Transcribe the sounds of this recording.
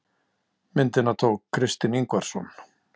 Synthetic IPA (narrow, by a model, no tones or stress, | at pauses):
mɪnt̪ɪnat̪ʰoːkʰːɾɪst̪ɪniŋkvaɾ̥sɔ̰n